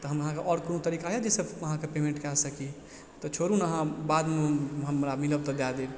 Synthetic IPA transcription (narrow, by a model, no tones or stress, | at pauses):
t̪ɔɦəməɦãkeʔɔɾkonut̪əɾikaɦjad͡ʒesəbəɦãkepemẽɳʈkɛsəki | t̪ɔt͡ʃʰoɾũnəɦãbad̪meɦəmɾamiləb̚t̪ɔd̪ad̪eb